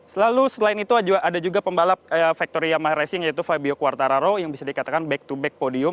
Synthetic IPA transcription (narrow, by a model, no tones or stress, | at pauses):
səlalusəlaɪnit̪uad͡ʒʔadad͡ʒuɡapəmbalap̚fak̚t̪oɾiamaɾasɪŋjait̪ufabiokuwart̪aɾaɾojaŋbisadikat̪akanbɛk̚t̪ubɛk̚podiʊm